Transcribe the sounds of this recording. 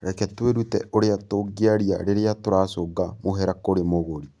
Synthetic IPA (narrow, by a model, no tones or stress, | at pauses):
ɾɛkɛtweɾutɛʔoɾeatoɡeaɾia̰ɾeɾeatoɾaːsoɡamoɦɛɾakoɾemoɣoɾi